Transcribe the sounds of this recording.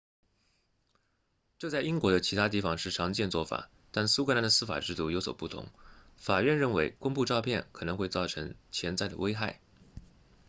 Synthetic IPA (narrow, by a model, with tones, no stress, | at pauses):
ʈ͡ʂɤ˥˧t͡sa˥˩ɪi˥ŋkwɔ˧˥d̪ə˧t͡ɕʰi˧˥t̪ʰa˥t̪̬i˥˩fɑ˧˩ŋʂɻ̩˥˩ʈ͡ʂʰɑ˧˥ŋt͡ɕjɛ˥˧nt͡swɔ˥˩fa̰˨˩˦ | t̪a˥˩nsu˥kʰna˧˥nd̪ə˧sɹ̩˥˩fa̰˨˩ʈ͡ʂɻ̩˥˧t̪u˥˩jo˧˥ʊswɔ̰˨˩pu˥˩t̪ʰʊ̰˧˥ŋ | fa˨˩ɥɛ˥˧nɻə˥˩nwe˧˥ɪkʊ˥ŋpu˥˧ʈ͡ʂɑ˥˧ʊpʰjɛ˥˩nkʰɤ˨˩nɤ˧˥ŋxwe˥˧ɪt͡sɑ˥˩ʊʈ͡ʂʰɤ˧˥ŋt͡ɕʰjɛ˧˥nt͡sa˥˩ɪd̪ə̰˩we˥ɪxa˥˩ɪ